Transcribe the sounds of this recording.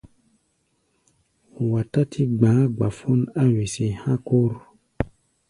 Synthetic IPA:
wa˨ta˦tʰi˦ɡ͡bãː˨˦ɡ͡ba˨fu˦na˦wi˨se˨hã˦ko˦ɾ

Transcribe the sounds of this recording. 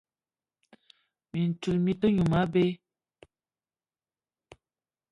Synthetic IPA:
mi˨n̩˨tu˨lmi˦tə˦ɲu˨ma˦be˦

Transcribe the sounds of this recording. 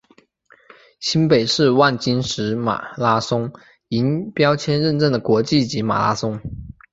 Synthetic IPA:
ɕi˥npe˨˩ɪʂɻ̩˥˧wa˥˩nt͡ɕi˥nʂɻ̩˧˥ma̰˨˩la˥sʊ˥ŋ | i˧˥npjɑ˥ʊt͡ɕʰjɛ˥nɻə˥˧nʈ͡ʂə˥˩ŋd̪ə˩kwɔ˧˥t͡ɕi˥˩t͡ɕi˧˥ma̰˨˩la̰˥sʊ˥ŋ

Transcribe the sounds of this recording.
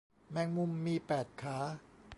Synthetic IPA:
mɛː˧ŋmu˧mːiː˧pɛː˨˩t̪̚kʰaː˦˥

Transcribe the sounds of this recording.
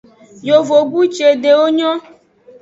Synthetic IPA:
jo˨vo˨ɡu˦t͡ʃe˨ɖe˨wo˦ɲɔ̃˦

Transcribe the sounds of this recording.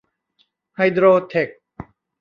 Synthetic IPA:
ha˧jd̪ɾoː˧t̪ʰe˨˩k̚

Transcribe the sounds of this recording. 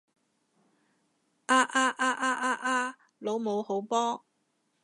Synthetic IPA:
ʔaː˥ʔaː˥ʔaː˧ʔaː˥ʔaː˥ʔaː˧˥ | lo˨˧wmo˨˧who˨˥wpɔː˥

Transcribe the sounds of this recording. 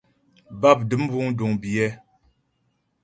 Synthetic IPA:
ba˦˨p̚dɨ˨˦m˦bu˦ŋ˦du˨ŋbi˨ɛ˦

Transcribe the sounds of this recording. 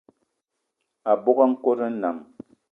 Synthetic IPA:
a˨bo˦ka˦ŋ̩˦ko˦ɾə˦na̰˨m

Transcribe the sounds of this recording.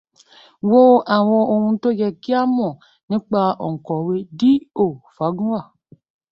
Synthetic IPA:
wo˦ʔa˨w̃ɔ̃˧o˧hũ˧˦to˦ɡɛ˧ki˦a˦mɔ̃˨ | nĩ˦k͡pa˧ɔ̰˨ŋ̩˨kɔ˨we˧di˦o˨fa˨˦ɡu˦a˦˨

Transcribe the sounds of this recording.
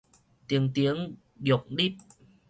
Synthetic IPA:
t̪i˨˦əŋt̪i˨˦əŋ | jo˨˩k̚ɗi˦˥˩p̚

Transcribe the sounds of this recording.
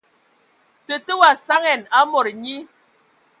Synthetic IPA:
tə˨tə˦wa˨sa˦ŋɛ˨na˦mɔ˨ɾɲi˦

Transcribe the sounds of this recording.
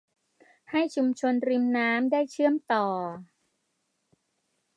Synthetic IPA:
ha˥˩jt͡ɕʰu˧mt͡ɕʰo˧nɾi˧mnaː˦˥mdaː˥˩jt͡ɕʰɯ˥˩əmt̪ɔː˨˩

